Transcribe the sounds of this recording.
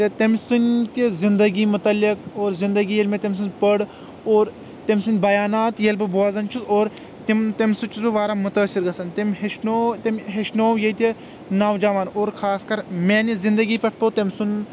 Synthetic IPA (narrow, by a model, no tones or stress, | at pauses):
t̪et̪emʲsunʲt̪izind̪ɐɡiːmut̪ɐlːikoːɾzind̪ɐɡiːjelʲmʲet̪emʲs̬unpɐɽ | oːɾ | t̪emʲsɨnʲbɐjaːnaːt̪jelbɨboaːzɐnt͡ʃʰusoːɾ | t̪imt̪ɐmʲsut͡ʃʰusbɨʋaːɾaːmut̪ɐːsiɾɡɐsɐnt̪ɐmʲɦeʃnoːt̪ɐmʲɦeʃnoːwjɐt̪ʲi | naːʋd͡ʒaːʋaːnoːɾkʰaːskɐɾmeːnizind̪ɐɡiːpʲɐʈʰpot̪emʲsun